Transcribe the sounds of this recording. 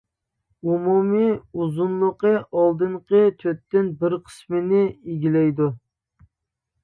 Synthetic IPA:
umumiuzunlˠʊqəʔɑlˠd̪ɨɴqʰət̪ʰøt̪ːɪnbɪɾqʰə̥smɪnɪiɡʲilɛjd̪u

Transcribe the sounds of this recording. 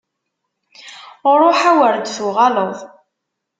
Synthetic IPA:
ɾˤoħawəɾd̪θuʁɑləðˤ

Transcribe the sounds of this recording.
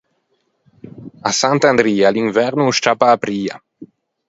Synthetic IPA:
asant̪and̪ɾiːalinvɛɾnuʃt͡ʃapaːpɾiːa̰

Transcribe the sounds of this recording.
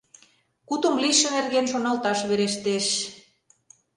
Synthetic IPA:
kut̪ŏmliʃə̆nerɣenʃonɑlt̪ɑʃβeɾeʃt̪eʃ

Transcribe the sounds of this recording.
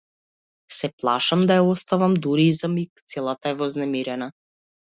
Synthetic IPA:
sɛplˠaʃamd̪ajaɔst̪avamd̪uɾizamikt̪sɛlˠat̪aɛvɔznɛmiɾɛna

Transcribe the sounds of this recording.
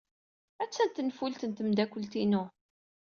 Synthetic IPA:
æt͡sːænt̪ənfult̪ənt̪əmd̪ækʷːəlt̪inʊ

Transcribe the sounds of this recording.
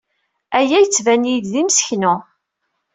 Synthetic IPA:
æjæjət͡sːvænijd̪ðimsə̥çnʊ

